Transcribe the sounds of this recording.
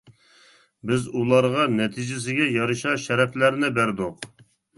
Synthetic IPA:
bɪzulˠɑɾʁɑnɛt̪ʰid͡ʒɪs̬ɪɡʲɛjɑɾɨʃɑʃɛɾɛflæɾnɪbæɾd̪ʊq

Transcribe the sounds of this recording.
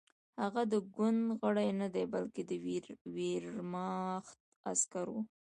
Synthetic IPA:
haɣad̪əɡʊnd̪ɣəɽajnad̪ajbalked̪əɾweɾmɑxt̪̚ | askaɾwṵ

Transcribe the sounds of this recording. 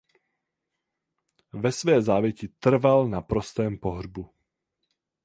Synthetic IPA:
vɛsvɛːzaːvjɛcit̪r̩valnapɾost̪ɛːmpoɦrbu

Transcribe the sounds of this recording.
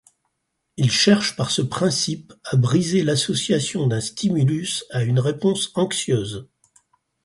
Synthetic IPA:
ilʃɛʁʃpaʁsəpχɛ̃sipabʁizelasɔsjasjɔ̃d̪ɛ̃st̪imylysaynʁepɔ̃sɑ̃ksjøːz

